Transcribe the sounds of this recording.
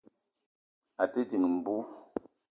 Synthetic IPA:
a˨te˦ti˨ŋ˨m̩˨bu˦

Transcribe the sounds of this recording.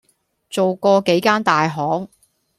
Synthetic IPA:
t͡so˨wkɔː˧ke˨˥jkaː˥nt̪aː˨jɦɔː˨˥k

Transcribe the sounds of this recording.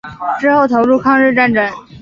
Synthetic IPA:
ʈ͡ʂɻ̩˥xo˥˩ʊt̪ʰo˧˥ʊɻu˥˧kʰɑ˥˧ŋɻɻ̩˥˧ʈ͡ʂa˥˧nʈ͡ʂə˥˩n

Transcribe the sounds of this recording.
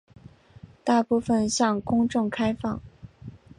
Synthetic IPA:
t̪a˥˧pu˥˩fə˨˩nɕjɑ˥˩ŋkʊ˥ŋʈ͡ʂʊ˥˩ŋkʰa˥ɪfɑ˥˩ŋ

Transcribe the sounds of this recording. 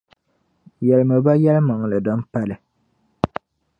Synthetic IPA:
jɛ˨lɨ˨mɨ˨ba˦jɛ˦lma˨ŋ˨lɨ˨dɔ˦n˦pa˦lɨ˨

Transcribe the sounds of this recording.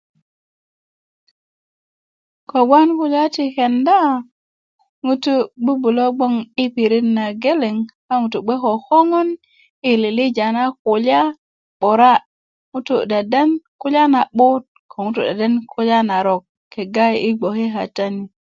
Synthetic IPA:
ko˨ɡa˦nku˨la˦ti˨ke˨nda˦ | ŋu˦tu˦ɡ͡bu˦bu˨lo˦ɡ͡bo˦ŋi˦pi˨ɾi˦tna˨ɡe˦le˨ŋ | a˦ŋu˨tu˨ɡ͡be˦ko˨ho˦ŋo˦n | i˨li˨li˦d͡ʒa˨na˦ku˨la˦ | ɓo˨ɾa˦ | ŋu˦tu˦˨ɗe˨de˦nku˦la˦na˨ɓu˦t̚kʰo˨ŋu˦tu˦˨ɗe˨de˦nkʰu˦la˦na˨ɾo˨kʰː | e˨ɡa˦ji˦ɡ͡bo˨ki˦ɦa̰˨ta˦ni˦

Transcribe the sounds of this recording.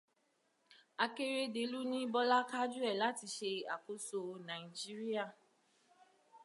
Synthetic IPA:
a˨ke˦ɾe˦de˨lu˦nĩ˦bɔ˦la˦ka˦d͡ʒu˦ɛ˦˨la˨˦ti˧ʃe˧a˨ko˨so˧nã˨i˨d͡ʒi˦ɾi˦a˦˨

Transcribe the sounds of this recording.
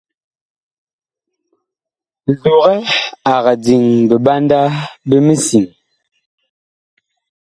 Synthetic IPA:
zu˨ɣɛ˦a˨ɣa˨d͡zi˨ŋbə˨ba˦nda˦bə˦mə˦si˨ŋ

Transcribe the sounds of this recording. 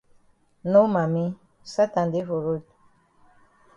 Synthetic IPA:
no˦ma˨mi˦ | sa˦ta˨nde˦vo˨ɾo˦d

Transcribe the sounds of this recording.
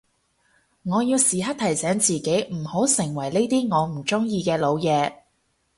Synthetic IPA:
ŋɔː˨˧jiː˧wsiː˨˩ɦɐ˥t̚t̪ʰɐ˨˩jsɛː˨˥ŋt͡siː˨ke˨˥jm̩˨˩ho˨˥wsɪ˨˩ŋwɐ˨˩jne˥jt̪iː˥ŋɔː˨˧m̩˨˩t͡sʊ˥ŋjiː˧kɛː˧lo˨˧wjɛː˨˧

